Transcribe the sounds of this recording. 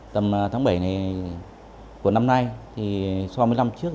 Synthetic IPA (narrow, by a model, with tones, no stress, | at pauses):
t̪ə˨˩m˨˩t̪ʰaː˨˦ŋɓə˧˩jna˨˩j | ku˧˩əna˧mna˧jt̪ʰi˨˩sa˧m˧əjla˧mt͡ɕɨ˦˥ək̚